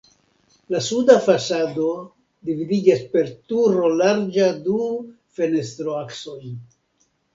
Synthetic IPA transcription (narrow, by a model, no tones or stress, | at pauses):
lasudafasado̞ | dividid͡ʒaspe̞ɾt̪uɾo̞laɾd͡ʒadu | fe̞ne̞st̪ɾo̞akso̞j